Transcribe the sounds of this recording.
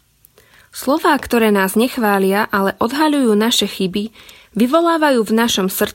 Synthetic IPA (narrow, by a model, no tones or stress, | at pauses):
slɔʋaːkt̪ɔɾɛːnaːzɲɛxʋaːlɪaʔalɛʔɔd̪ɦaʎujuːnaʃɛxibi | ʋiʋɔlaːʋajuːvnaʃɔmsr̩